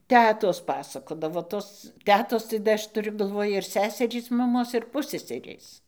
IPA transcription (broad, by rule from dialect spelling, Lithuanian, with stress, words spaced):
ˈtʲæːtoːs ˈpɑːsɐkoːdɐʋoː toːs ˈtʲæːtoːs tɐɪ dɐ ˈɐʃ tʊˈrʲʊ ɡɐlˠˈʋoːj ɪr ˈsʲæːsʲɛrʲiːs mɐˈmoːs ɪr ˈpʊsʲsʲɛsʲɛrʲeːs